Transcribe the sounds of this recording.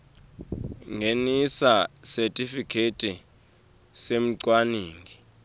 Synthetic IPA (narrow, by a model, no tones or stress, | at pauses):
ŋʱenisasɛtʼifikʰetʼi | sem̩ǀwaniːŋɡi